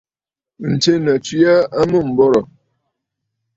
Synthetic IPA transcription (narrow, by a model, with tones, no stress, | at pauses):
n̩˨te˦nə˨t͡si˦a˦a˦mə˦˨m̩˨bɔ˦ɾɔ˨